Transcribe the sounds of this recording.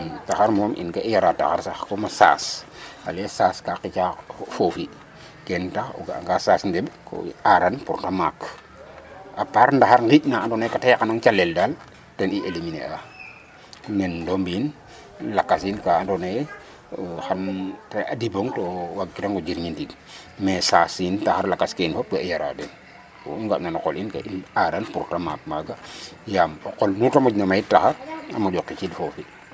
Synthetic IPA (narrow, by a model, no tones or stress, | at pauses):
taxaɾmɔmʔḭnkaʔijaɾata̰xaɾsaxkomasa̰salesaskaqit͡ʃafofi | kɛntaxɔ̰ɡa̰ŋɡasaːsndebko̰aɾanpuɾtamak | ʔapaɾndaxaɾɡitnaːndɔnekatajkanaŋt͡ʃaleldal | tɛniʔeliminḛʔa | nendombin | lakːasinkaandone | xantea̰diboŋtowaɡːitaŋɡod͡ʒiɾɲindid | mesasintaxaɾlakːaskenfop̚kejaɾa̰den | o̰uŋɡaʔnanɔkolinka̰ʔinadanpuɾtamap̚maɡajamokolnutamod͡ʒnamajitːaxaɾa̰mad͡ʒokːit͡ʃidfofi